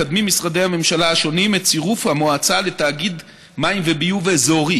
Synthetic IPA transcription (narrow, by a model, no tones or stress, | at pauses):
ad̪mimisʁad̪ejhamemʃalaaʃo̞nimett͡siʁufhamoat͡salet̪aːɡid̪ | maimvebijuvezoʁi